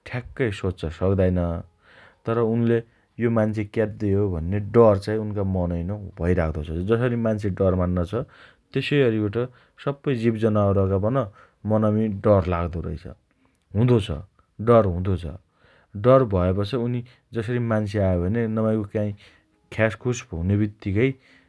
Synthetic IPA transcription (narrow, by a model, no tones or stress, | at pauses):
ʈʰakːʌjsot͡st͡sʰʌsʌkd̪ajnʌ | t̪ʌɾʌunle | jomant͡sʰekat̪̚d̪iɦobʱʌnːeɖʌrt͡sãĩunkamʌnʌjnʌbʱʌiɾakʰd̪ʌt͡sʰʌd͡zʌs̬ʌɾimant͡sʰeɖʌrmanːʌt͡sʰʌ | t̪esʌjɦʌɾiaʈʌ | sʌbːʌjd͡zibd͡zʌnaoɾʌkabʌnʌ | mʌnʌmiɖʌrlaɡd̪oɾʌ̰jt͡sʰʌ̰ | ɦũd̪ot͡sʰʌ̰ | ɖʌrɦũd̪ot͡sʰʌ̰ | ɖʌrbʱʌepʌt͡sʰʌuni | d͡zʌsʌɾimant͡sʰeajobʱʌnenʌmajkokaĩ | kʰaskʰusbʱʌwnebit̪ːikʌj